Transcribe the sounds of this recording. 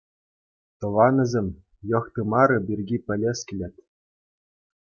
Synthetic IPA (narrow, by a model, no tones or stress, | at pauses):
t̪ɤ̆ʋɑnɤ̆zʲĕmʲ | jɤ̆χt̪ɤ̆mɑɾɤ̆bʲirʲɡʲipʲɘ̆lʲeskʲɘlʲĕt̪ʲ